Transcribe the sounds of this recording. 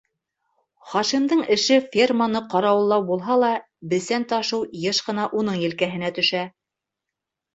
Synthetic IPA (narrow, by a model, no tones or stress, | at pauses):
χɑʃimd̪ɤɴɘ̆ʃɘfʲermanɤqɑɾɑwɤ̆lˠːɑwbulˠɦɑlˠɑ | bɘ̆sænt̪ɑʃɤwjɤʃqɤ̆nɑʔun̪ɤɴjɘ̆lkæɦɘ̆næt̪ɵ̆ʃæ